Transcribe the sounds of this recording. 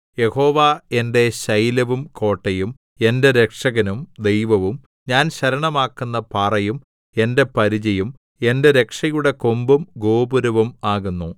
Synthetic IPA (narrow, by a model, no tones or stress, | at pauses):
je̞ho̞ːʋae̞nde̞ɕɐjlɐʋumko̞ːʈːɐjum | e̞nde̞ɾe̞kʂɐɣɐnumd̪e̞jʋɐʋum | ɲaːnɕɐɾɐɳɐmaːkːunːɐpaːrɐjum | e̞nde̞pɐɾid͡ʑɐjum | e̞nde̞ɾe̞kʂɐjuɽe̞kombumɡo̞ːbuɾɐʋumaːɣunːu